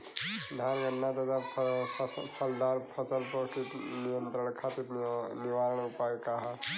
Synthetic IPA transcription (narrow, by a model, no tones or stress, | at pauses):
ɖʱãːnɡɐnːat̪ɐt̪appʰɐld̪aːɾpʰɐsəlpokinɪjə̃nt̪ɾəɳkʰat̪inɪʋaːɾəɳ̃ʊpaːjkaɦa